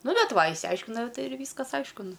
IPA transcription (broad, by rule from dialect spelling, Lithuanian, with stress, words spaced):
ˈnʊ ˈbʲɛt ˈʋɐ ɪʃʲsʲɪˈɐɪʃʲkʲɪnɐʊ ˈtɐɪ ɪr ˈʋʲiːskɐs ˈɐɪʃkʊ ˈnʊ